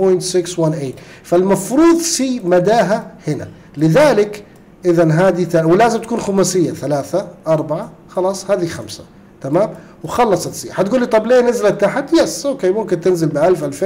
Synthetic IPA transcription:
pojnt̪sɪkswanʔeːt̪ | falmafɾuːðˤʃiːmad̪aːɦahɪna̰ | lɪðaːlɪk | ʔɪðanɦaːd̪iθawlaːzɪmt̪ḁkuːnxʊmasɪjːaθalaːθaʔɑɾˤbaʕa | xɑlɑːsˤhaːðixamsḁ | t̪amaːm | wxɑlːɑsˤɑt̪sḭːħat̪ɡuːlːit̪ˤɑblijːanɪzlat̪ːaħt̪jasʔoːkeːmʊmkɪnt̪ɪnzɪlbɪʔalfʔalfeː

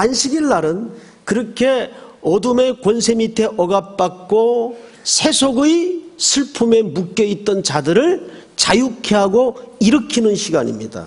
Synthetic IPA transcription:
anɕʰiɡiɭːaɾɯn | kɯɾʌkʰe̞ʌdume̞kwʌnsʰe̞mitʰe̞ʔʌɡap̚p͈ak̚k͈o | sʰe̞sʰoɡɯjsʰɯɭpʰume̞muk͈jʌit̚t͈ʌnt͡ɕadɯɾɯɭ | t͡ɕajukʰe̞ɦaɡoiɾɯkʰinɯnɕʰiɡaɲḭmɲida̰

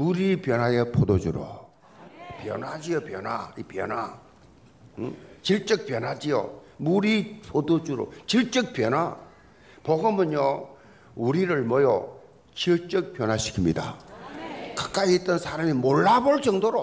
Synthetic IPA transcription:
muɾipjʌnɦajepʰodod͡ʑuɾo̰ | pjʌ̰nɦad͡ʑijopjʌnaipjʌnɦa | t͡ɕiɭt͡ɕ͈ɯk̚p͈jʌnɦad͡ʑijo̰ | muɾipʰodod͡ʑuɾo̰t͡ɕiɭt͡ɕ͈ɯk̚p͈jʌna | pʌɡʌmɯnjo | uɾiɾɯɭmʌjʌ | t͡ɕiɭt͡ɕ͈ɯk̚p͈jʌnɦaɕʰi̥kʰimɲida̰ | kak͈aiet͈ʌnsʰaɾamimoɭːaboɭt͡ɕʌŋdoɾo

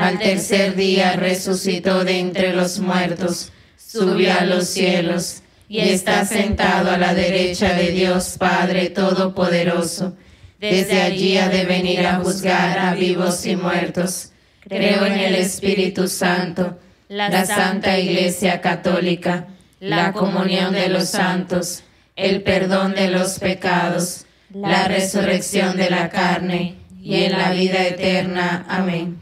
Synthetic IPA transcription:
alt̪e̞ɾseɾðiaresusit̪o̞ðent̪ɾelozmwe̞ɾt̪osː | uβjoalosːjelos | iest̪asent̪aðoalaðeɾet͡ʃaðe̞ðjospaðɾet̪oðopoðeɾoso | d̪ezðeaʝiaðeβe̞niɾaxuzɣaɾaβiβosimweɾt̪os | kɾeoenelespiɾit̪usant̪o | lasant̪aiɣlesjakat̪olika | lakomunjo̞nd̪elosːant̪os | elpeɾðo̞nd̪elospekað̞os | laresureksjo̞nd̪elakaɾneienlaβiðaet̪eɾnaamẽŋ

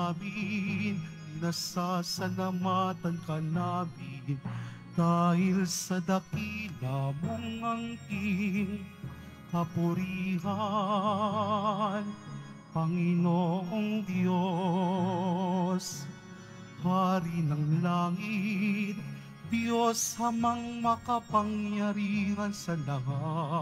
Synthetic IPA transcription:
min | nɐsasɐlamat̪ɐnkɐnaːmɪnd̪̥aːhɪlsɐd̪ɐkid̪ɐmoŋɐŋkiŋ | hɐpʊɾiːɦa | n | pɐŋɪnoːʔoŋd̪jo | s | haːɾinɐŋlaːŋit̪̚ | d̪joshɐmɐŋmɐkɐpɐŋjɐɾiːhɐnsɐlɐɦa

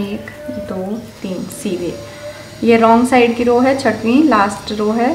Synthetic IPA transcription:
eːkd̪oːt̪iːnsiːʋḛː | jeɾɔːŋɡsaːɪɖkiɾoːɦɛt͡ʃʰɐʈʋĩlaːsʈɾoːɦɛː

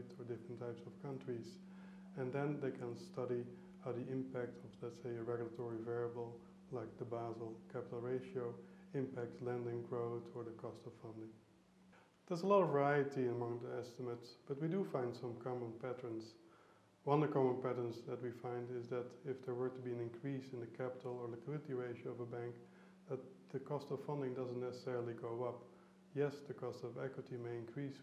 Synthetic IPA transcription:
tə˞dɪfɹ̃n̩tʰːaɪpsʌv̥kʰʌ̃ntɹ̥iz | ɨ̃nðɛ̃nðeɪkʰə̃nstʰʌɾi | haʊðiʔɪ̃mpæk̚tʰʌvlɛtseɪɨɹɛɡjlˠətʰɔɹivɛɹəbl̩ˠ | laɪk̚ðəbæzl̩ˠkʰæpɪtl̩ˠɹeɪʃioʊɪ̃mpæk̚tlɛ̃ndɪ̃ŋɡɹoʊθə˞ðəkʰɔstʌffʌ̃ndɪ̃ŋ | ð̥ə˞zəlɔɾʌvə˞aɪɨtiəmʌ̃ŋðiɛstəmətsb̥ʌt̚widɨfãɪ̃nd̥sʌ̃mkʰɑmə̃npʰætə˞ns | wʌ̃nəkʰɑmə̃npæɾə˞nzðɨt̚wifãɪ̃ndɪzðɨɾɪfðə˞wə˞tubiɨ̃nɪ̃nkʰɹ̥isɨ̃nðɨkʰæpətl̩ˠə˞lɨkʰɪlɨtiɹeɪʃoʌvəbæ̃ŋk | ðət̚ðɨkʰɔstʌv̥ʌ̃ndɪ̃ŋdʌzə̃n̩nɛsə̥sɛɹl̩ˠiɡoʊʌp | jɛsðɨkʰɔstʌvɛkwɨtimeɪɨ̃nkʰɹis

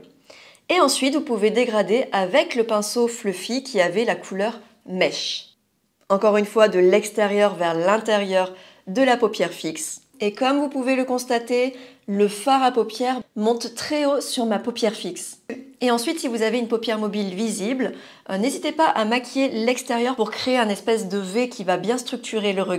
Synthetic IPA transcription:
eɑ̃sɥit̪vupuved̪eɡʁad̪eʔavɛkləpɛ̃sofløfikʲiavɛlakʰulœʁ | mɛʃ | ɑ̃kɔʁynfwad̪əlɛkst̪eʁjœʁvɛʁlɛ̃t̪eʁjœʁ | d̪əlapopjɛʁfiks | ekɔmvupuveləkɔ̃st̪at̪e | ləfaʁapɔpjɛʁmɔ̃t̪ːχɛosyʁmapopjɛʁfikseɑ̃sɥit̪sivuzaveynpopjɛʁmɔbilvizibl | nezit̪epaʔamakʲjelɛkst̪eʁjœʁpuʁkχeeɛ̃nɛspɛs̬d̪əvekʲivabjɛ̃st̪χyk̚t̪ʰyʁeləʁə

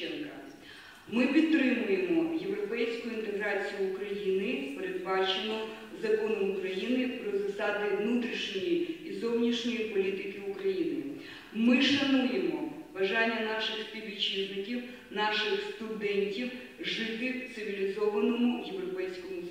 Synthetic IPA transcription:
ɛnkɐ | mɪpʲid̪̚t̪ɾɪmʊjemɔje̞wɾɔpɛjsʲkʊjʊint̪eɦɾɑt͡sʲijʊːkɾɐjinɪpeɾed̪bɑt͡ʃɪnɔ | zɐkɔnʊʊkɾɐjinɪpɾɔzɐsɑd̪ɪʋnut̪ɾʲiʃnʲɔjiizɔwnʲiʃnʲɔjipɔlʲit̪ɪkɪʊkɾɐjinɪ | mɪʃɐnujemɔʋɐʒɑnʲːɐnɑʃɪxt̪ɪʋʲit͡ʃiznɪkʲiw | nɑʃɪxst̪ʊd̪ɛnʲtʲiw | ʒɪt̪ɪt̪sɪʋʲilʲizɔʋɐnɔmʊjewɾɔpɛjsʲkɔmʊ

